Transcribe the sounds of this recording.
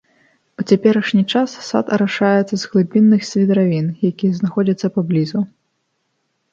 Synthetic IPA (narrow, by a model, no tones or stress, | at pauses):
ut͡sʲapʲɛɾɐʂnʲit͡ʂassa̰t̪ɐɾaʂajɛt̪sːɐzɣlˠɨbʲinːɨxsʲvʲid̪ɾavʲinjakʲijɐznaxɔd͡zʲɐt̪sːɐpablʲizu